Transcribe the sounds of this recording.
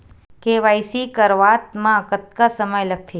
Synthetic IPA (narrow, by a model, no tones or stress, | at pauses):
keʋajsikəɾʋaːt̪mãəkət̪̚kasəməjləɡ̚t̪ʰe